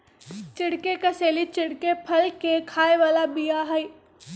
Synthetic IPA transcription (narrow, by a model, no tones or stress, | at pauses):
t͡ʃɪɽkekɐseːlit͡ʃɪɽkepʰɐlkekʰaːeʋaːlabijaɦɐi